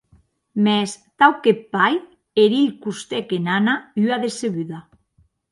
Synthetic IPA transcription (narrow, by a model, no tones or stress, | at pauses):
mest̪awkepːaj | eɾiʎkust̪ekenanayaðeseβyða